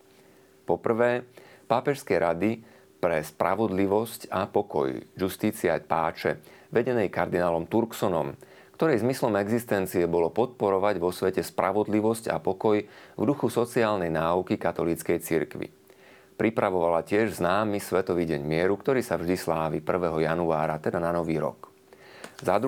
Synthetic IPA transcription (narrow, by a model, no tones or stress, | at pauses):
pɔpr̩ʋɛːpaːpɛʃskɛjɾad̪i | pɾɛspɾʔa̰ʋɔd̪liʋɔscapɔkɔ̰jjust̪iːt͡sia̰paːt͡ʃɛ̰ʋɛɟɛnɛjkaɾd̪inaːlɔmt̪uɾksɔnɔ̰m | kt̪ɔɾɛjzmislɔmɛɡzist̪ɛnt͡siɛbɔlɔpɔt̪̚pɔɾɔʋaɟʋɔsʋɛcɛspɾʔa̰ʋɔd̪liʋɔsca̰pɔkɔjvd̪uxusɔt͡siaːlnɛjnaːukikat̪ɔliːt͡skɛjt͡siɾkʋḭ | pɾipɾaʋɔʋalacɪɛʒznaːmisʋɛt̪ɔʋiːɟɛɲmɪɛɾukt̪ɔɾiːsavʒd̪islaːʋḭpr̩ʋɛːɦɔjanuaːɾat̪ɛd̪ananɔʋiːɾɔ̰k | zad̪ɾ